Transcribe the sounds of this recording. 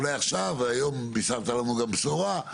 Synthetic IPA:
leaχʃavajombisaʁt̪alamuɡambsoʁa

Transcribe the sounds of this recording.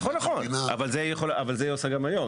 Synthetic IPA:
χonːaχona̰valzejeχolavalzejosaɡamajo̞m

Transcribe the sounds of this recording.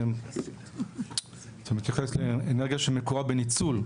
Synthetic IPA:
t̪amit̪jaχesleeneʁɡijaʃemekoʁabenit͡sul

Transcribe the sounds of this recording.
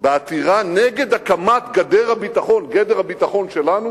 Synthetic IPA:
beat̪iʁaneɡe̞d̪akamat̪ɡad̪eʁhabit̪aχo̞nɡed̪eʁhabit̪aχo̞nʃe̞lanu

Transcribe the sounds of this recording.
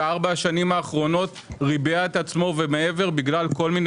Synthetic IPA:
aʁbaʃanimaːχʁo̞no̞t̪ʁibeaet̪at͡smo̞vemee̞ve̞ʁbiɡlalko̞lmin

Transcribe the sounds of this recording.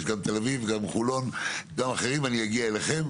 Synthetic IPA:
ʃɡamt̪elavivɡamχulo̞nɡamaχeʁimanijaɡiaeleχe̞m

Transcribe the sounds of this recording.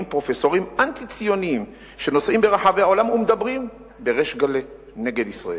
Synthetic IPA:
mpʁo̞fesoʁimant̪it͡sijo̞niim | ʃe̞no̞sʔimbeʁaħaveaolamumed̪abʁim | be̞ʁeʃɡale | ne̞ɡed̪isʁa̰e

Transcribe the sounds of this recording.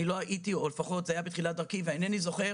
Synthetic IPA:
ilo̞aʔitiole̞faχo̞t̪zeajabet̪χiladaʁkiveanenizo̞χe̞

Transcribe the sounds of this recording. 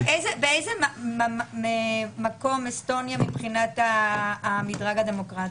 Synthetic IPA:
ʔejzebeejzemaaemako̞mesto̞njamipχinataː | midʁaɡademo̞kʁati

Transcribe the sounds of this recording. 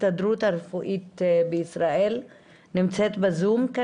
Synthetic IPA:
t̪ad̪ɾut̪aɾfuʔit̪beisɾaʔel | nimt͡set̪bezumka

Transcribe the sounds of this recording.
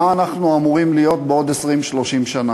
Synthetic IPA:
aːnaχnuamuʁimlijo̞t̪̚beo̞d̪esʁimʃlo̞ʃimʃana

